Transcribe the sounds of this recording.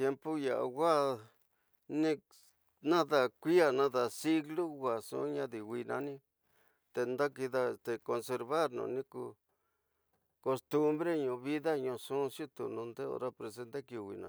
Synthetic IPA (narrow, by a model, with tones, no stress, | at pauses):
t̪je˧mpo˦ja˨ʔa̰˨ɣa˦ | nĩ˦ | nã˦ða˧˨kʷi˦a˦˨nã˦ða˧˨si˦ɣlu˦ɣʷa˨sṵ̃˦ɲã˧ði˨wʷi˧nã̰˧nĩ˦ | t̪e˧nd̪a˦ki˧ða˧e˧st̪e˧ko˧nse˧ɾβa˦ɾnṵ̃ː˧˨˧nĩ˦ku˧ | ko˧st̪u˦mbɾe˦ɲũ˧βi˦ða˦ɲũ˧sũ˦sju˦t̪ṵ˨nũ˧nd̪e˦o̰˧ɾa˦pɾe˧s̬e˧˦nt̪e˦ki˧˨wḭ˨nã̰˨